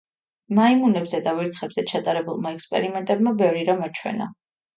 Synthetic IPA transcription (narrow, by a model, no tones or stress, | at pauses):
maimunɛbzɛd̪aviɾt̪χɛbzɛt͡ʃʰat̪ʼaɾɛbulˠmaɛkspʼɛ̰ɾimɛnt̪ʼɛb̚mabɛvɾiɾamɔt͡ʃʰwɛ̰na̰